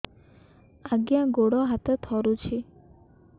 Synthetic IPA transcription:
aɡjãɡoɽɔɦat̪et̪ʰɔɾut͡ʃʰi

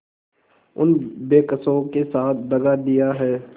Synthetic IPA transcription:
ʊnbeːkəsõkesaːt̪ʰd̪ɐɡad̪ijaɦɛː

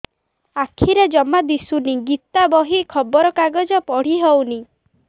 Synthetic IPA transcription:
akʰiɾed͡ʒɔmad̪isuniɡit̪abɔɦikʰɔbɔɾɔkaɡɔd͡ʒɔpɔɽ̤iɦewni

